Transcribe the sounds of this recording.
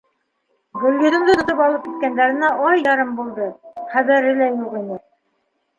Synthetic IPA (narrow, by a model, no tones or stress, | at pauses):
ɡɵ̆lɡɘ̆ðɘ̆ŋd̪ɘt̪ŏt̪ɤpɑlˠɤp̚kit̪̚kænd̪æɾɘ̆næʔɑjɑɾɤmbulˠd̪ɤχæβæɾɘ̆læjuʁinɘ